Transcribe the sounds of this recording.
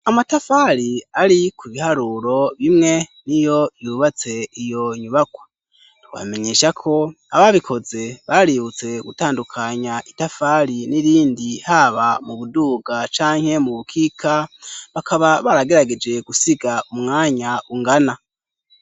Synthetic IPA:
amatafaɾiaɾikʰuβihaɾuɾo̞βimŋe̞nijo̞juβat͡se̞ijo̞ɲuβakwa | twa̰me̞ɲe̞ːʃakʰo̞ | a̰βaβikʰo̞ze̞βaɾiβut͡se̞ɡutaːndukʰaɲaʔitafaɾiniɾiːndihaβamuβuduːɡat͡ʃaːŋ̥he̞muβukʰiːkʰaβakʰaβaβaɾaɡe̞ɾaɡe̞d͡ʒe̞ɡusiɡaumŋaːɲauŋɡana

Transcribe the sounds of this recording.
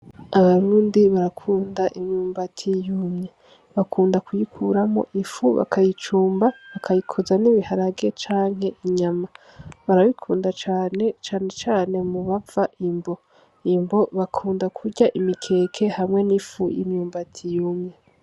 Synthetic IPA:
aβaɾuːndiβaɾakʰuːndaʔimɲuːmbatʰijuːmɲe | βakʰuːndakujikʰuɾamo̰ʔifuβa̰kʰajit͡ʃuːmbaβakʰajikʰozaniβihaɾaɡe̞t͡ʃaːŋ̥ɦe̞iɲama | βaɾaβikʰuːndat͡ʃaːne̞t͡ʃaːne̞t͡ʃaːne̞muβavaʔimbo̞ | imbo̞βakʰuːndakʰuɾɟaʔimikʰe̞ːkʰe̞hamŋe̞nifṵjḭmɲuːmbatʰijuːmɲe

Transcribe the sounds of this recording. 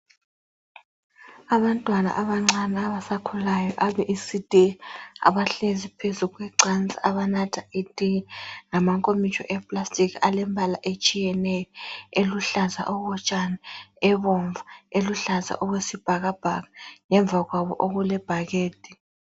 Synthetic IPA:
aβantʼwana̰ʔaβaŋ͡ǀanɛaβasakʰulajɔʔaβɛʔisid̥ʱʼia̰βaɬezipʰezuɣwɛǀant͡sʼiʔaβanatʰaidʼiŋamaŋkʼomit͡ʃʼɔ̰ʔɛpʼlastʼikʰalɛmbʱalaʔet͡ʃʼijɛnɛjɔeluɬaza̰ʔɔɣɔt͡ʃʼanɛɛβɔɱvaeluɬaza̰ʔɔɣwesib̥ʱaɣab̥ʱaɣaŋɛɱb̪vʱaɣwaβɔ̰ʔoɣulɛb̥ʱaɣeːd̥ʱʼi

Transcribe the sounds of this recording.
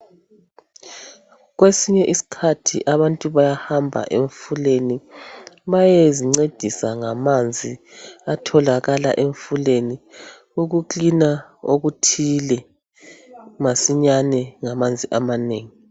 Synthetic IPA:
ɣwesiɲɛʔisi̥kʰatʰḭʔaβantʼuβajahambʱa̰ʔeɱfuleni | βajeziŋ͡ǀed̥ʱisaŋamand͡zʱiatʰɔlaɣala̰ʔeɱfuleni | uɣukinaoɣutʰilɛ | masiɲanɛŋamand͡zʱiʔamaneːŋi

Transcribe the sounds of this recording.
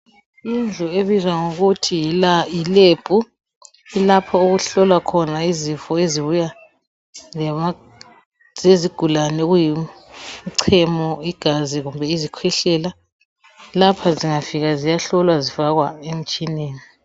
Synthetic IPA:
ind͡ɮʱɔeβizwaŋoɣutʰijilaileb̥ʱu | ilapʰɔuɣuɬɔlwakʰɔnaizifɔeziβuja | z̥eziɡ̥ʱulanɛɣujimǀʰɛmɔiɡ̥ʱaziɣumbʱɛizikʰwɛɬɛla | lapʰaziŋafiɣazijaɬɔlwazifaɣwaem̩t͡ʃʼineːni

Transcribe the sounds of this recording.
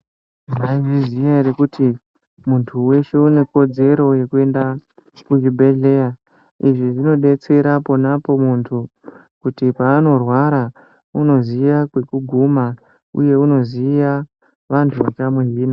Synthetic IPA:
maivizijaɾekutʰi | muntʰuwe̞ʃe̞une̞ko̞d͡ze̞ɾo̞je̞kue̞nda | kud͡ʒibʱe̞ɮe̞ja | iʐiʐino̞ɗe̞t͡se̞ɾapo̞napo̞muntʰu | kutipaːno̞rwaɾa | uno̞ziʋakwe̞kuɡʱuma | ṵje̞uno̞ziʋa | ʋantʰuʋat͡ʃamweɦiːna

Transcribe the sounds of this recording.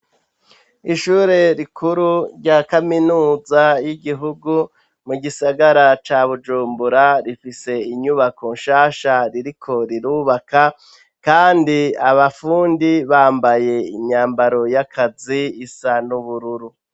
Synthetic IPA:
iʃuːɾe̞ɾikʰuɾuɾɟakaminuːzajiɡiɦuɡu | muɡisaɡaɾat͡ʃaːβud͡ʒuːmbuɾaɾifise̞iɲuβakonʃaːʃaɾiɾikʰo̞ɾiɾuːβaka | kaːndiaβafuːndiβaːmbaje̞iɲɲaːmbaɾo̞jakʰaziːsanuβuɾuɾu

